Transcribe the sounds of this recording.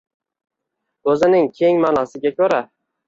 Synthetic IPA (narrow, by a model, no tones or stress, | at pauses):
ɵzɪnɪŋkʲʰe̞ŋmanasɪɡʲakʲɵɾa